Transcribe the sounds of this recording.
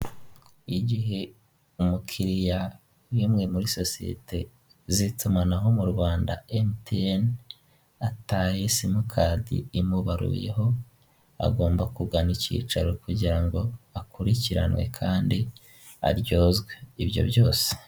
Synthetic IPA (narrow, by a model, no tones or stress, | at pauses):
iɟiɦe̞ | umukʰiɾija | wiːmŋe̞muɾiso̞sie̞̰tʰe̞ | zitumanaɦo̞muɾwaːndaemteen | ataːjesimukʰadḭːmuβaɾṵje̞̰ɦo̞ | a̰ɡo̞ːmbakuɡanicḭːt͡ʃaɾokuɟiɾaŋɡo̞akuɾiciɾa̰nwe̞̰kʰaːndi | a̰ɾjo̞ːzɡwe̞iβjo̞̰bjo̞ːse̥